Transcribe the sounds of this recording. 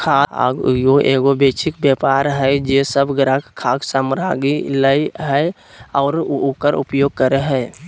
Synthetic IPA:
kʰaa̰joʔeːɡobeːt͡ʃʰɪk̚bepaːɾɦɛd͡ʒeːsəbɡɾakkʰaːɡsamɾaɡiləiɦɛ | ɔːɾukəɾʊ̰pjoːɡ̚kəɾeɦɛː

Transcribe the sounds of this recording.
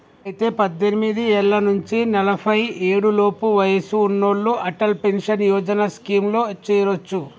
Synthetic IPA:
ɐjit̪e̞ːpɐd̪ːenimid̪iɛlːɐnuɲt͡ʃinɐlɐpʰɐje̞ːɽulo̞ːpuʋɐjɐsuːnːoɭːuʔɐʈɐlpenʃɐnjɔːd͡ʒɐnɐskiːmlo̞ːt͡ʃːiːɾot͡ʃːu

